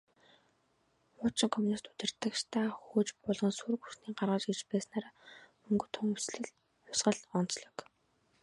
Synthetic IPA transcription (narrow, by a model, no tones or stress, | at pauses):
ʊːt͡ɕɪ̆ŋkʰɔmunist̪u̥t̪ɘ̆r̥t̪ə̆kʃt̪ʰaːxuːt͡ɕpʊɮʁɞ̆nsurɣusniːɢarʁə̆t͡ɕɡet͡ɕpæːsnaːɾaː | ɵŋɡɵ̆t̪ʰʊŋɵsɮɘ̆ɮ | jʊsɢə̆ɮɔn̥t͡sɮɞ̆k